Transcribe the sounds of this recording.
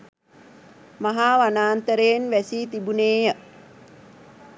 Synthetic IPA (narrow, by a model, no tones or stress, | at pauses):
maɦaːʋanaːnt̪əɾeːnʋæsiːt̪ibuneːjə